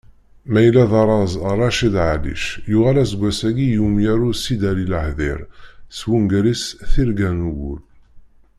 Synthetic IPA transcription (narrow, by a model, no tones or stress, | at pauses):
mæjlːæðɑɾˤɑzrˤːɑʃid̪ʕalḭʃjʊʁælæsɡʷːæsæɡijumjaɾusid̪ælilhðiɾswunɡɾisθiɾɡænuɡṵl